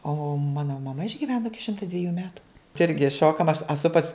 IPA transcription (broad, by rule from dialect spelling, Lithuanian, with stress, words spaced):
oː ˈmɑːnoː mɐˈmɐ ɪʒʲɡʲɪˈʋʲæːnoː ˈɪkʲɪ ˈʃʲɪmtɐ dʲʋʲɪˈjuː ˈmʲæːtʊ tɐɪ ˈɪrʲɡʲɪ ˈʃoːkɐm ɐʃ ɐˈsʊ pɐs